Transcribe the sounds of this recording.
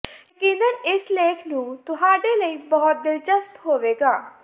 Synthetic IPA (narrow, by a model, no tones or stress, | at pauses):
kɪnənɪsleːkʰnũt̪ʊɦaːʈeləibɐɦʊt̪̚d̪ɪlt͡ʃəspɦoːʋeːɡaː